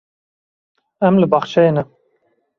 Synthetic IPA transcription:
ɛmlɨbɑχt͡ʃʰɛjenɛ

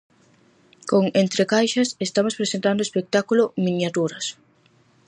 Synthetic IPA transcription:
koŋent̪ɾekajʃɐsest̪amospɾesent̪and̪oespek̚t̪akulomĩnjat̪uɾɐs

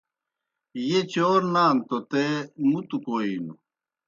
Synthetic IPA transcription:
jet͡ɕoːɾnaːnt̪ot̪emut̪ukoːinu

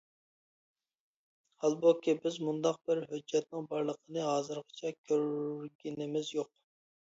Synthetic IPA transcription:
hɑlˠbukʲibɪzmund̪ɑq̚bɪɾɦød͡ʒːɛt̪̚nɨŋbɑɾlˠəqʰənɨɦɑːzɨɾʁɑ̥t͡ʃʰɛkʲʰøɾɾɡʲinɪmɪzjoq̚

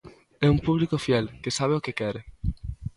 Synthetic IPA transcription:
ɛumpuβlikofiɛlkesaβ̞eokekɛɾe

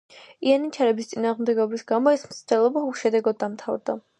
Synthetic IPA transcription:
ianit͡ʃʰaɾɛbist̪sʼinaːʁmd̪ɛɡɔbɾisɡamɔɛsmt̪sʰd̪ɛlˠɔbaχuʃɛd̪ɛɡɔd̪ːamt̪ʰavɾd̪a

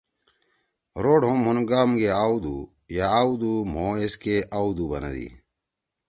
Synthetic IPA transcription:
ɾoːɖɦomɦunɡaːmɡeaːwd̪ṵ | jaaːwd̪um̤oːeskeʔaːwd̪ubɐ̰nɐ̰d̪ḭ

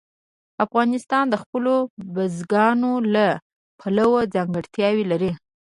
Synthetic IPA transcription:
afɣɑnɪst̪ɑnd̪əxpəlobazɡɑnola | pʰalawad͡zɑŋɡəɽt̪jɑwilaɾi

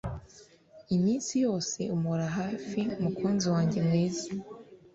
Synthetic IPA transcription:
imiːnsijo̞ːse̞umoɾaɦaːfiumukʰuːnziwaːɲɟe̞mŋiːza

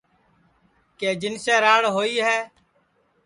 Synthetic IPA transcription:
keːd͡ʒɪnsɛːɾaːɽɦoːiːɦɛː

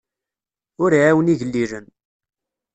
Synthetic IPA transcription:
ʊɾʕawəniʝəlːiɾən

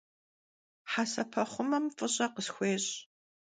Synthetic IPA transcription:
ħaːsɐpʰɐχʷʊmɐmfʼɨɕʼɐqəsxʷeːɕʼ

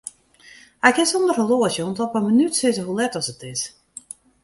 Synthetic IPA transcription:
ɛkɪsondərəloəsjəɔntɔpəmənytsɪzəɦulɛtɔsətɪs

